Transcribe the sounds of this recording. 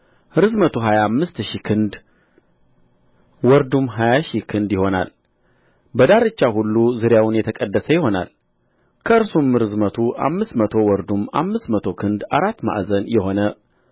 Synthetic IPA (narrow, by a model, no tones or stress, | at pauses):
ɨɾɨzmət̪ʰuɦajamːɨst̪ʃikʰɨnd̪ | wɔɾd̪umɦajaʃikʰɨnd̪jɪho̞na̰l | bəd̪aɾɨt͡ʃːahulːuzɨɾjawʊnjɛt̪ʰəkʼəd̪ːəsəjɪho̞na̰l | kʰəɨɾsumɨɾɨzmət̪ʰuʔa̰mːɨst̪mət̪ʰo̞wɔɾd̪uma̰mːɨst̪mət̪ʰo̞kʰɨnd̪aɾat̪ːma̰ʔzənjɛɦo̞nə